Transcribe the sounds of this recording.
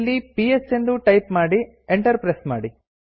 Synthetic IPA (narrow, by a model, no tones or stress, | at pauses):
lːipiesend̪uʈɐjpmaːɽi | eɳʈɐɾpɾesma̰ːɽi